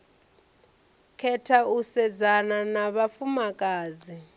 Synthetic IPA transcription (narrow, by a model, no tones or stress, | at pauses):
kʰɛtʰausɛd͡zananaβafumakʼaːzi